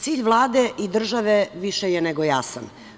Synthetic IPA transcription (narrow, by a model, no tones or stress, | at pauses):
t̪siːʎʋlˠaːd̪eʔid̪r̩ʒaʋeʋiʃejeneɡojasan